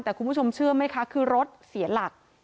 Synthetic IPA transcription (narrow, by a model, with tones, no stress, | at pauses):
t̪ɛː˨˩kʰu˧mbu˥˩o˧mt͡ɕʰɯ˥˩ɐma˦˥jkʰa˦˥kʰɯː˧ɾo˦˥t̪̚si˨˩˦la˨˩k̚